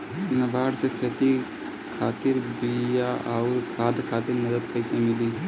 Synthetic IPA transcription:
nəbʱaːɽsekʰet̪i | kʰat̪iɾbijaʔauɾkʰaːd̪kʰaːt̪iɾməd̪əd̪kəjsemili

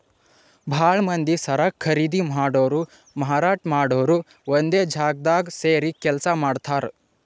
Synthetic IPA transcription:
bʱaːɭmɐnd̪isɐɾaːkʰːɐɾiːd̪imɦaːɽoːɾu | mɐɦaːɾaːʈʰmaːɽoːɾu | ʋond̪eːd͡ʒʱaːɡ̚d̪aːɡseːɾikɛlsamaːɖt̪ʰaːɾ

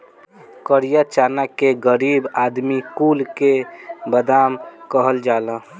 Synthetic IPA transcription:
kəɾijat͡ʃaːnakeɡəɾiːbaːd̪mikulkebəd̪aːmkəɦəld͡ʒaːlə̃

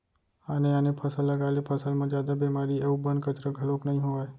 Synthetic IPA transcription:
aneanepʰəsəlːəɡalepʰəsəlmãd͡ʒjad̪abemaɾieʋũbənd̪kət͡ʃɾəɡʱəloknəɦĩɦoʋaj

